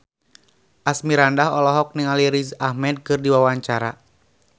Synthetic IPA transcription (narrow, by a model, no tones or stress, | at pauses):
ʔasmiɾandaɦɔlɔɦɔk̚niŋaliɾizahmɛd̚kɨrdiwawaɲt͡ʃaɾa̰